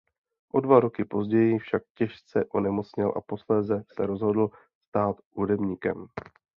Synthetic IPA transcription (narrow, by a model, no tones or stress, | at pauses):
ʔo̞dvaɾo̞kɪpo̞zɟɛjɪfʃak̚cɛʃt͡sɛʔonɛmo̞t͡sɲɪlʔa̰po̞slɛːzɛsɛɾo̞zɦo̞dl̩ | st̪aːt̪hudɛbɲiːkɛm